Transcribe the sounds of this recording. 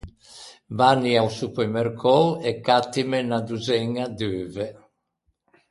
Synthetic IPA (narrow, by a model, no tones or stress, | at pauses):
vaniawsupemerkʰɔɛkːat̪ːimenad̪uzɛŋːad̪øːve